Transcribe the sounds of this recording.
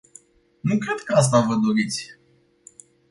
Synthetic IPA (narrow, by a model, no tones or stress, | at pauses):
nukɾe̞d̪kəas̬t̪avəd̪o̞ɾit̪sʲ